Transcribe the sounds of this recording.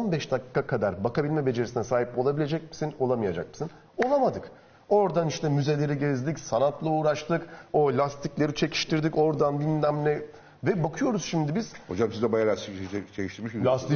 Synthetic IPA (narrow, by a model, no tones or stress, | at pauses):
onbɛʃd̪akʰːkːakʰad̪aɾbakabilʲmɛbe̞d͡ʒe̞ɾisinɛsaːɦipo̞lˠabilʲe̞d͡ʒɛc̚mi̥sino̞lˠamɯjad͡ʒa̰k̚mɯ̥sin | o̞lˠamad̪ɯk | o̞ɾd̪aniʃt̪ʰɛmyze̞lʲe̞ɾiɟezd̪icsanat̪ʰlˠauːɾaʃt̪ʰɯkolʲast̪ʰiclʲe̞ɾit͡ʃʰe̞cʰi̥ʃt̪ʰiɾd̪ico̞ɾd̪anbinlʲæmlʲɛ | vɛbakʰɯjo̞ɾuz̥ʃimd̪ibiz̥hod͡ʒamsizd̪ɛbajaɾat͡ʃʰeciʃt̪iɾmiʃllʲast̪i